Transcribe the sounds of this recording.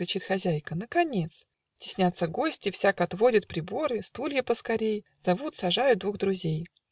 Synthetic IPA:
ɾʲɪt͡ɕit̪xɐzʲæjkənəkɐnʲe̞t̪s | tʲɪ̥sʲnʲat̪sːəɡo̞sʲtʲɪfsʲakɐt̪vo̞dʲɪt̪̚pɾʲɪbo̞ɾɨst̪ulʲjəpəskɐɾʲej | z̥ɐvut̪sɐʐajʊd̪vuɣd̪ɾʊzʲej

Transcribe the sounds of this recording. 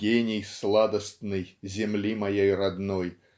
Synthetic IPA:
ɡʲenʲɪjslˠad̪əst̪nɨjzʲɪmlʲimɐjejrad̪noj

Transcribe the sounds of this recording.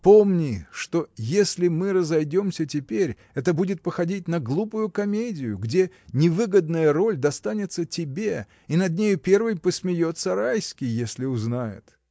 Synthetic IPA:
po̞mnʲɪʂt̪o̞jesʲlʲɪmɨɾəzɐjdʲo̞msʲətʲɪpʲeɾʲ | ɛt̪əbudʲɪt̪̚pəxɐdʲit̚ʲnɐɡlˠupʊjʊkɐmʲedʲɪjʊ̰ɡdʲe | nʲɪvɨɡəd̪nəjəro̞lʲd̪ɐst̪anʲɪt̪sətʲɪbʲe | inɐd̪̚nʲejʊpʲe̞rvɨjpəsʲmʲɪjo̞t̪səɾajskʲɪjesʲlʲɪʊznajɪ̰t̪

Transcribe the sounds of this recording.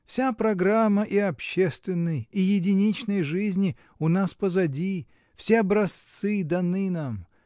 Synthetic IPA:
fsʲapɾɐɡɾamːəʔiɐpɕːest̪vʲɪnːɨjijɪdʲɪnʲit͡ɕnəjʐɨzʲnʲɪ | ʊnaspəzɐdʲi | fsʲeɐbɾɐst̪sɨd̪ɐnɨnam

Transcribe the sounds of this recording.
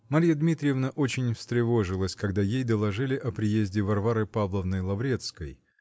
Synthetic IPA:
mɐɾʲijəd̪mʲit̪ɾʲɪjɪvnəʔo̞t͡ɕɪnʲfst̪ɾʲɪvo̞ʐɨlˠəsʲkɐɡd̪ajejd̪əlˠɐʐɨlʲɪʔɐpɾʲɪjezʲdʲɪvɐrvaɾɨpavlˠəvnəjlˠɐvɾʲe̞t̪skəj

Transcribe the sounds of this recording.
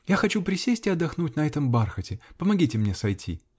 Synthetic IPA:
jaxɐt͡ɕupɾʲɪsʲesʲtʲɪɐd̪ːɐxnutʲnɐɛt̪əmbarxətʲɪpəmɐɡʲitʲɪmnʲesɐjtʲʰḭ

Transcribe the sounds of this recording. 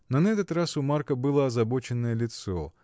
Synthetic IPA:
nɐnɐɛt̪ət̪ɾasʊmarkɐbɨlˠɐɐzɐbɔt͡ʃɪnːəjɛlʲɪt̪sɔ

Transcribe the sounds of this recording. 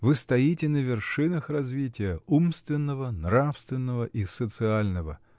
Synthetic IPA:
vɨst̪ɐjitʲɪnəvʲɪrʂɨnəxrɐzvʲitʲɪjəumst̪vʲɪnːəvənrafst̪vʲɪnːəvəʔisət̪sɨalʲnəvə̰

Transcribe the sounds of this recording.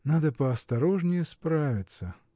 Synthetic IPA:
nad̪ɐpɐːst̪aɾɔʐnʲɪjɛspɾavʲit̪sɐ

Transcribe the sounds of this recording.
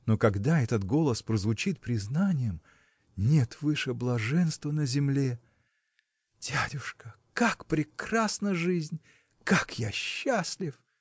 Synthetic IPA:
nokɐɡd̪aɛt̪ət̪ɡo̞lˠəspɾəzvʊt͡ɕit̪̚pɾʲɪznanʲɪjəm | nʲe̞t̪vɨʂɨblˠɐʐɛnst̪vənəzʲɪmlʲe | d̥ʲædʲʊʂkə | kakpɾʲɪkrasnəʐɨzʲnʲ | kakjaɕːasʲlʲɪf

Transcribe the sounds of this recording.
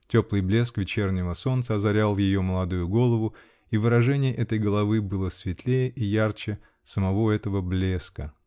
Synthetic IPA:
tʲo̞plˠɨjblʲe̞skvʲɪt͡ɕernʲɪvəso̞nt̪səɐzɐɾʲalˠjɪjo̞məlˠɐd̪ujʊɡo̞lˠəvʊ | ivɨɾɐʐɛnʲɪjəʔɛt̪əjɡəlˠɐvɨbɨlˠəsvʲɪt̪lʲejəʔijart͡ɕɪ | səmɐvo̞ɛt̪əvəblʲe̞skə

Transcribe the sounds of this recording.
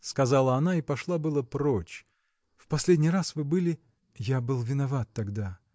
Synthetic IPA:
skɐzalˠəɐnaipɐʂlˠabɨlˠəpɾot͡ɕ | fpɐsʲlʲedʲnʲjrasvɨbɨlʲɪ | jabɨlˠvʲɪnɐvat̪ːɐɡd̪a

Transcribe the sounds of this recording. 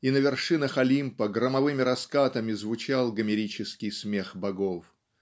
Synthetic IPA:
inəvʲɪrʂɨnəxɐlʲimpəɡɾəmɐvɨmʲɪɾɐskat̪əmʲɪzvʊt͡ɕalˠɡəmʲɪɾʲit͡ɕɪskʲɪjsmʲexbɐɡof

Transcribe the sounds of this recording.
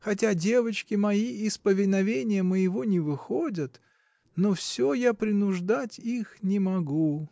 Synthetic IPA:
xɐtʲadʲe̞vət͡ɕkʲɪmɐiɪspəvʲɪnɐvʲenʲɪjəməjɪvo̞nʲɪvɨxodʲət̪ | nofsʲojapɾʲɪnʊʐd̪atʲixnʲɪmɐɡu

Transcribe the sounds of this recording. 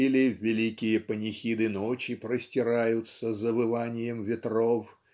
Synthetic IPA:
ilʲɪvʲɪlʲikʲɪjəpənʲɪxʲid̪ɨnot͡ɕɪpɾəsʲtʲɪɾajʊt̪səzəvɨvanʲɪjəmvʲɪt̪rof

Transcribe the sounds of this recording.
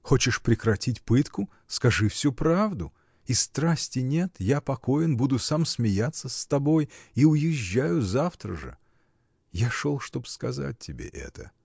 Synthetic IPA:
xo̞t͡ɕɪʂpɾʲɪkɾɐtʲitʲpɨt̪kʊ | skɐʐɨfsʲupɾavd̪ʊ | ist̪ɾasʲtʲɪnʲe̞t̪japɐko̞jɪnbud̪ʊsamsmʲɪjat̪sːəst̪ɐbo̞jiʊjɪʑːajʊzaft̪ɾə̰ʐɨ̰ | jaʂolˠʂt̪o̞pskɐza̰t̚ʲtʲːɪbʲḛʔɛ̰t̪ə̰

